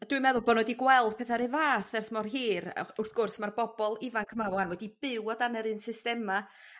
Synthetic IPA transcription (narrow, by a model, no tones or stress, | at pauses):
ad̥wɨmɛðʊlˠbɔnɔɛdiɡwɛlˠd̥pʰɛθaɾɪvaːθɛrsmɔrɦiːrʊrθɡ̥ʊrsmarbɔbɔlˠɪvankʰmawɔanwɛdib̥ɪwɔdanɛɾɨnsɨstɛma